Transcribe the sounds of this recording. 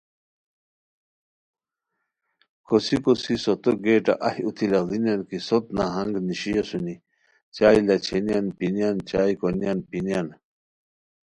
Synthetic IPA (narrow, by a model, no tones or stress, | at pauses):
kosikosisot̪oɡeːʈa̰ʔɐhut̪ʰilɐlinjɐnkisot̪naɦɐŋɡniɕijosuni | t͡ɕaːilɐt͡ɕʰenijanpinjant͡ɕaːikonjanpinijan